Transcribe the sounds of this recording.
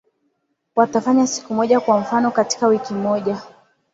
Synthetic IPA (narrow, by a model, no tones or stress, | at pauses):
watafaɲasi̥kumɔʄakwam̩fanɔkati̥kawikimɔʄa